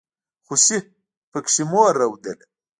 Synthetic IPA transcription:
xusi | pəkʂimoːɾɐwd̪ele

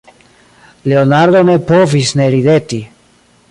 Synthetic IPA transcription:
le̞onaɾdo̞ne̞povisne̞ɾide̞ti

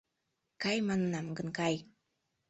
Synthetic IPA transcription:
kajmanənamɡənkaj

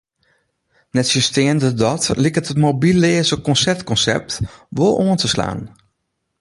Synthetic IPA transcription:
nɛtsystɪəndədɔtlikətətmobilɪəzəkɔnsɛrtkɔnsɛ̰p̚tʋolˠoəntəsla̰ːn

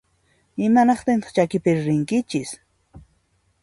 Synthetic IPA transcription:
ɪmanɑχt̪ɪnt̪ɑ̥χt͡ʃakɪpɪɾɾɪŋkɪt͡ʃɪs

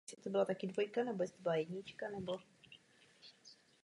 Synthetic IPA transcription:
ɛsɪt̪obɪlat̪akɪdvo̞jkanɛbo̞jɛsɪ̥t̪obɪlajɛɟɲɪt͡ʃkanɛbo̞

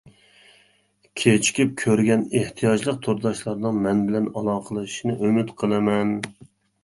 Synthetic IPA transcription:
kʲʰet͡ʃʰi̥kʲip̚kʲʰøɾɡʲɛneht̪ʰijɑd͡ʒlˠəq̚t̪ʰoɾd̪ɑʃlˠɑɾnɨŋmɛnbɪlɛnɑlˠɑːqʰəlˠɨʃʃinɨʔømyt̪qʰəlˠɨmɛn

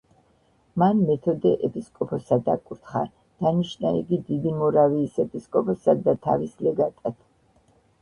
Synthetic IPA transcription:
manmɛt̪ʰɔd̪ɛʔɛpʰiskʼɔpʰɔsad̪akʼuɾt̪ʰχa̰ | d̪̥aniʃnaḭɡid̪id̪imɔɾaviːsɛpʰiskʼɔpʰɔsad̪at̪ʰa̰vislɛɡat̪ʼad̪̥

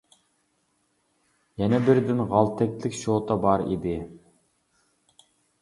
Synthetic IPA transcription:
jɛnɛbɪɾd̪ɪnʁɑlˠt̪ʰɛkʲlɪkʲʃoːt̪ʰɑbɑɾḭd̪ɪ

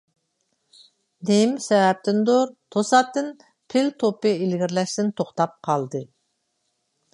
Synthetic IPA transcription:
nemsɛvɛp̚t̪ɪnd̪oɾt̪ʰosɑt̪ːɨn | pʰɪlt̪ʰopɨilɡʲiɾlɛʃt̪ɪnt̪ʰoχt̪ɑp̚qʰɑlˠd̪ɨ

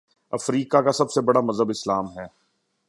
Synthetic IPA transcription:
ɐ̰fɾiːkakasɐbsebɐɽamɐzəbɪslaːmɦɛː

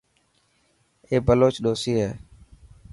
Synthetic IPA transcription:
eːbəloːt͡ʃɗoːsiːɦɛː

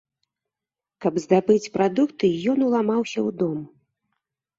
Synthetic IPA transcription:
kɐbzd̪abɨt͡sʲpɾad̪ukt̪ɨjɔnulˠamawsʲɐwd̪ɔm

